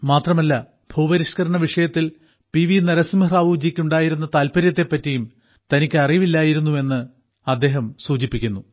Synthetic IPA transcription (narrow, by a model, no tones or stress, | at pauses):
maːt̪rɐmɐlːɐ | bʱuːbɐɾiʂkɐɾɐɳɐʋiʂɐjɐt̪ːil | piʋinɐɾɐsimiraːʋud͡ʑikʲːuɳɖaːjiɾunːɐt̪aːlpɐɾjɐt̪ːe̞pːɐtːijum | t̪ɐnikʲːɨɐriʋilːaːjiɾunːue̞nːɨ | ɐd̪ːe̞ːɦɐmsuːt͡ɕipːikʲːunːu